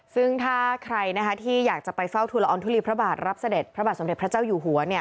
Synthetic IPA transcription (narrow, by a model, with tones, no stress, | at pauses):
sɯ˥˩ŋt̪ʰaː˥˩kʰɾa˧jna˦˥kʰa˦˥t̪ʰiː˥˩jaː˨˩k̚t͡ɕa˨˩pa˧jfa˥˩wt̪ʰuː˧la˧ʔːnt̪ʰu˥li˧pʰɾa˦˥baː˨˩t̪̚ɾa˦˥p̚sa˧de˨˩t̪̚pʰɾa˦˥baː˨t̪snde˨˩t̚pɾa˦˥t͡ɕaː˥˩wjuː˨˩ɦu˩˦ɐni˥˩ɐ